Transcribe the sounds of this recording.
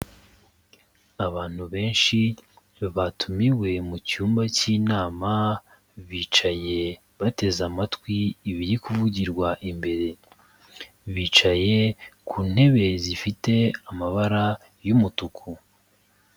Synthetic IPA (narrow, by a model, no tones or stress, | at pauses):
aβaːn̥huβe̞ːnʃi | βatʰumiwe̞mucuːmbaciːnaːma | βiːt͡ʃaje̞ | βate̞zamatkwiːβiɾikuvuɟiɾɡwaʔimbe̞ɾe̞ | βiːt͡ʃaje̞kʰuːn̥he̞βe̞zifite̞amaβaɾa | jumutukʰu